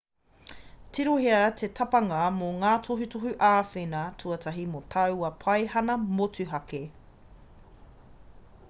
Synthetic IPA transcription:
tʰiɾoɦeɐtʰetʰɐpɐŋɐmoŋaːtʰoɦutoɦuʔaːfenɐtʰuɐtʰɐɦimot̪ʰɐwɐpʰɐjhɐnɐmotʉɦɐke

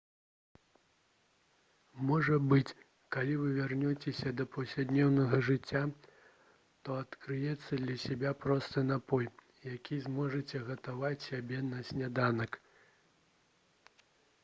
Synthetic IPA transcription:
mɔʐɐbɨt͡sʲ | kalʲivɨvʲarnʲɔt͡sʲesʲɐd̪ɐpɐwsʲlʲad̪nʲɛwnɐɣɐʐɨt͡sʲːa | t̪ɔɐt̪kɾɨjɛt̪sːɐd̪lʲɐsʲabʲapɾɔst̪ɨnapɔj | jakʲʰizmɔʐɐt͡sʲɛɣɐt̪avat͡sʲsʲabʲɛnɐsʲnʲad̪anɐk

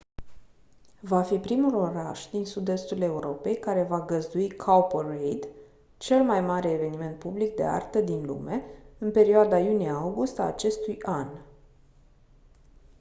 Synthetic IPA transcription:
vafipɾimulo̞ɾaʃd̪insud̪e̞st̪ule̞uɾo̞pe̞jkaɾe̞vaɡəzd̪uikʰawpərejd̪ | t͡ʃe̞lmajmaɾe̞ːve̞nime̞nt̪̚publik̚d̪e̞̰a̰rt̪əd̪inlṵme̞ɨnpe̞ɾioad̪ajuniaawɡust̪aːt͡ʃe̞st̪ujan

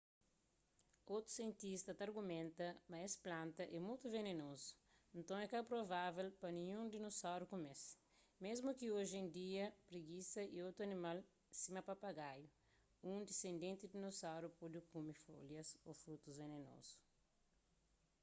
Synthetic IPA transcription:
owt̪ɾu̥siẽnt̪ist̪ɐt̪aɾɡumẽnt̪ɐmɐesplãnt̪ɐʔɛmujt̪uvenenozu̥ | ẽnt̪ɐ̃w̃ɛkapɾovavelpɐnĩɲũnd̪inosawɾukomes | mezmukioʒẽnd̪iɐpɾeɡisɐiowt̪ɾuɐnimal | sĩmɐpapaɡaju | ũd̪isẽnd̪ẽnt̪id̪inosawɾupod̪ukũmifo̰ljɐso̰fɾut̪uzveneno̰zu̥

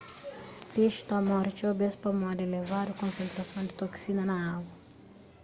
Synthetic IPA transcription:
peʃu̥t̪amɔɾt͡ʃobespɐmɔd̪elevad̪ʊkõnsẽnt̪ɾɐsɐ̃w̃d̪ɪt̪oksinɐnɐaɡɐ

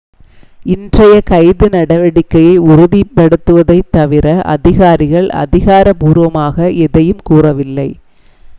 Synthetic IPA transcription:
ɪndrɐjɐkɐɪðɯnɐɽɐʋɐɽɪkːɐjɐɪʊɾʊðipːɐɽɯt̪ːɯʋɐðɐɪt̪ːɐʋɪɾɐʔɐ̰ðɪɣaːɾɪɣɐɭɐ̰ðɪɣaːɾɐpuːɾʋɐmaːɣɐʔɛðɐjɯmkuːrɐʋɪlːɐɪ

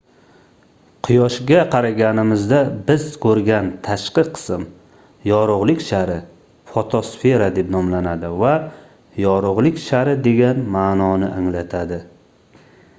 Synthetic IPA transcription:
qʰʊjɒʃɡʲaqʰɑɾaɡʲanɪmɪzd̪abɪz̥kʰɵɾɡʲant̪ʰaʃqɨqʰɨ̥sɪm | jɒɾʊʁlˠɪkʲʃaɾɪ | fot̪ʰosfe̞ɾad̪e̞pnɒmlanad̪ɪva | jɒɾʊʁlˠɪkʲʃaɾɪd̪e̞ɡʲanmaːnɒnɪʔaŋlat̪ʰad̪ɪ

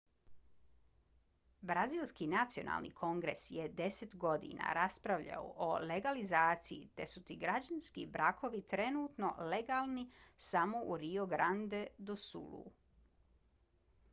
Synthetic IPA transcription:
bɾaziːlˠskinat̪sio̞na̰ːlnḭkʰo̞ŋɡɾe̞sjed̪e̞set̪ɡo̞d̪ḭna̰ɾaspɾaʋʎa̰oʔole̞ɡalizaːt̪sijit̪e̞sut̪iɡɾad͡ʑanskibɾakʰo̞ʋit̪ɾe̞nuːt̪no̞̰le̞ɡaːlˠnisamo̞ʔuɾioɡɾand̪e̞d̪osṵlṵ

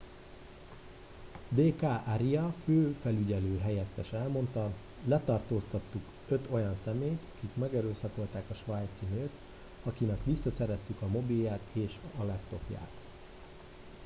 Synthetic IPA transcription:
d̪eːkaːʔaɾijɒføːfɛlyɟɛløːɦɛjɛt̪ːɛʃɛlmo̞nt̪ɒ | lɛt̪ɒrt̪oːst̪ɒt̪ːuk | ø̞t̪o̞jɒnsɛmeːjt̪ɒ̥kikmɛɡɛɾøːsɒko̞lt̪aːkɒʃʋaːjt̪sinøːt̪ | ɒkinɛkʋisːɒsɛɾɛst̪ykɒmo̞biljaːt̪eːʃɒlɛpt̪o̞pja̰ːt̪

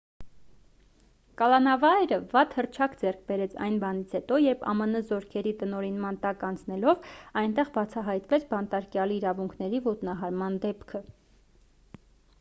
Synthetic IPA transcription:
kɑlɑnɑvɑjɾəvɑt̪hərt͡ʃʰɑkd͡zɛrkʰbɛɾɛt͡sʰɑ̰jnbɑnit͡sʰhɛt̪ɔjɛɾpʰɑ̰mənəzɔɾkʰɛɾit̪ənɔɾinmɑnt̪ɑkɑnt͡sʰnɛlɔvɑjnt̪ɛʁbɑt͡sʰɑɦɑjt̪vɛt͡sʰbɑnt̪ɑɾkjɑliːɾɑvuŋkʰnɛɾivɔt̪nɑɦɑɾmɑnd̪ɛpkʰə

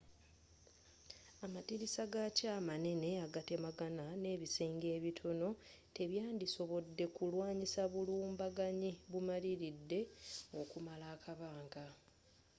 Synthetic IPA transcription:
amatiɾisaɡacaːmane̞ne̞aɡate̞maɡanane̞ːβisiːŋɡe̞ːβitʰo̞no̞ | te̞βjaːndiso̞βo̞dːe̞kulwaːɲisaβuluːmbaɡaɲiβumaliɾidːe̞o̞kumalaːkaβaːŋɡa

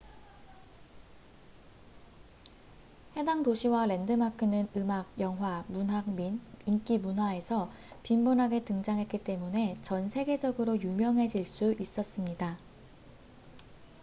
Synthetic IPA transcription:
he̞daŋtoɕʰiwaɾe̞ndɯmakʰɯnɯnɯmaɡ̚jʌŋɦwamunɦaɡminink͈imunɦwae̞sʰʌ | pimbonɦaɡetɯŋd͡ʑaŋɦe̞t̚k͈it͈e̞mune̞t͡ɕʌnsʰe̞ɡe̞d͡ʑʌɡɯɾojumjʌŋɦe̞d͡ʑiɭs͈uis͈ʌs͈ɯmɲida

